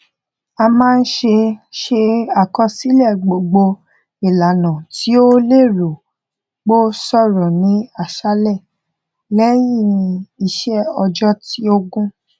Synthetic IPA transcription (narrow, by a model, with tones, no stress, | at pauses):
a˧mãː˦˧n̩˦ʃe˧ʃe˧a˨kɔ˧si˦lɛ˦˨ɡ͡bo˨ɡ͡bo˧ | i˨la˨nã˨ti˨˦o˦le˦˨ɾo˨ | ɡ͡bo˦sɔ˦˨ɾɔ˨nĩ˨˦a˦˨ʃa˨˦lɛ˦˨ | lɛ˦ji˦˨nĩ˧i˧ʃɛ˦ɔ˧d͡ʒɔ˦ti˨˦o˦ɡũ˦